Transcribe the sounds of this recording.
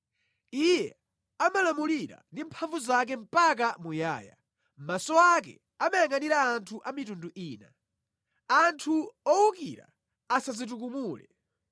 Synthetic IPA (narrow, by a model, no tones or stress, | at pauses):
ijɛ | amalamuliɾa̰ndimpʰaɱvuzak̬ɛm̩pak̬amuja̰ːja̰ | m̩masɔak̬ɛ̰ | amajaŋɡaniɾaːntʰuʔamitunduʔiːna̰ | antʰuɔwukiɾa̰ː | sazit̬uk̬umuːlɛ̰